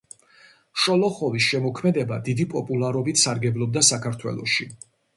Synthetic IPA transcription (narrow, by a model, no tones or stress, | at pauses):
ʃɔlˠɔχɔvisʃɛmɔkʰmɛd̪ɛbad̪id̪ipʼɔpʼulˠaɾɔbit̪ʰsaɾɡɛblˠɔb̚d̪asakʰaɾt̪ʰwɛ̰lˠɔ̰ʃi